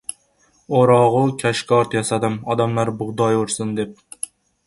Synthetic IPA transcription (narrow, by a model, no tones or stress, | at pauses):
oɾɑʁʊkʲʰæʃkʲʰɑɾt̪jɑsæd̪ɪmɒd̪amlˠæɾbʊʁd̪ɑjoɾsɨnd̪ep̚